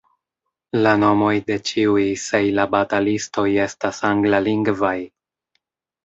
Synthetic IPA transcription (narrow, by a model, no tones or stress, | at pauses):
lano̞mo̞jde̞t͡ʃiujsejlabatalisto̞je̞stasaŋɡlaliŋɡvaj